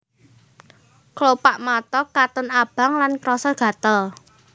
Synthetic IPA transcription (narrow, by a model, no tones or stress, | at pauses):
klopaʔmat̪ɔkat̪ʊnab̥a̤ŋlankɾɔsɔɡ̥ä̤t̪əl